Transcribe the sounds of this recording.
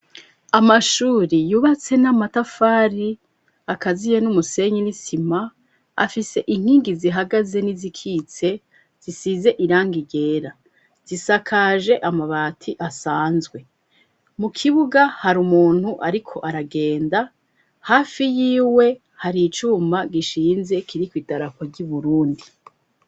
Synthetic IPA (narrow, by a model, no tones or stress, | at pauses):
amaʃuːɾijuβat͡se̞namatafaːɾi | akazijenumuse̞ɲinisima | a̰fise̞ʔiŋ̥hiːŋɡiziɦaɡaze̞nizikʰiːt͡se̞ | z̥isize̞ʔiɾaːŋɡiɟe̞ːɾa | z̥isakʰaːʒe̞ʔamaβaːtʰiʔasaːnzɡwe̞ | mukʰiβuɡahaɾumuːn̥huʔaɾikʰo̞ʔaɾaɡe̞ːnda | haːfijiːwe̞ | haɾit͡ʃuːmaɡiʃiːnze̞kʰiɾikwiːdaɾakoɾɟuβuɾuːndi